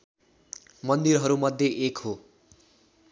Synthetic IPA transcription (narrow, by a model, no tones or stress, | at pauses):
mʌnd̪iɾɦʌɾumʌd̪ʱjeʔekho